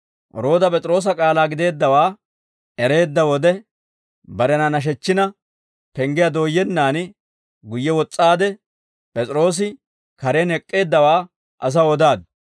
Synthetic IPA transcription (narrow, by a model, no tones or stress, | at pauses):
ɔɾo̞ːd̪ɐpʼɛt͡sʼɾo̞ːs̬ɐkʼaːlaːɡɪd̪e̞ːd̪ːɐwaː | ɛɾe̞ːd̪ːɐwɔd̪ɛ | bɐɾɛnɐnɐʃ̬ɛt͡ʃːɪnɐ | pɛŋɡɪjɐd̪o̞ːjːɛnːaːn | ɡʊjːɛwɔt͡sʼːaːd̪ɛ | pʼɛt͡sʼɾo̞ːs̬ɪ | kɐɾeːnɛkʼːe̞ːd̪ːɐwaː | ʔɐs̬ɐɔd̪aːd̪